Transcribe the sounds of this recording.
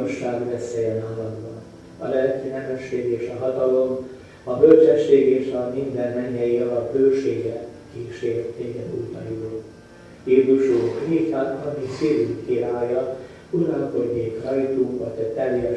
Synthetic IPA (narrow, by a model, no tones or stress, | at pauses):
oʃːaːɡbɛseɛnaːlɒd̪bɒn | ɒ̰lɛlkiːnɛmɛʃːeːɡeːʃɒɦɒt̪ɒlo̞m | ɒbølt͡ʃɛʃːeːɡeːʃɒmind̪ɛnmɛɲːɛjiɒlɒbbølt͡ʃeːɡɛkiːʃeːɾt̪eːɡɛd̪uːt̪ɒ̰jo | jeːzuʃuːkrit̪anɒkisiːlyŋkiɾaːjɒ | uɾɒlko̞ɟːeːkrɒjt̪uːkʋɒɟɛt̪ɛljɛ